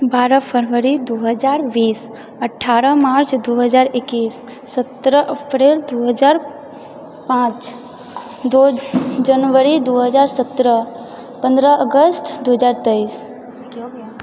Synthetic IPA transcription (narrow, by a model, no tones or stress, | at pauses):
baːɾəpʰəɾʋəɾid̪oɦəd͡ʒaːɾʋiːs | əʈʰːaːɾəmaːɾt͡ʃd̪oɦəd͡ʒaːɾɪkːiːsː | ət̪ɾəʔəpɾeld̪oɦəd͡ʒaːɾ | pãːt͡ʃ | d̪od͡ʒənʋəɾid̪oɦəd͡ʒaːɾsət̪ɾə | pə̃nd̪ɾəəɡəst̪ʰd̪oɦəd͡ʒaːɾt̪əis